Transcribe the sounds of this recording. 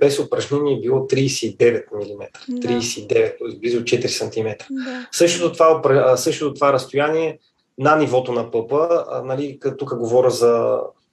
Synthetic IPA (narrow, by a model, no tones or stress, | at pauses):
bɛsʊpɾɐʒnɛniɛbilˠɔt̪ɾiːsɛid̪ɛvɛt̪milimɛt̪ɾə̥t̪ɾiːsɛid̪ɛvɛt̪ːɔɛzblizot͡ʃɛt̪iɾisɐnt̪imɛt̪ɾə̥sɤʃt̪ot̪ot̪ovaopɾɐsɤʃt̪ot̪ot̪ovaɾɐst̪ojaniɛ | nɐnivɔt̪onɐpɤpənɐlikt̪ukəɡovɔɾəzɐ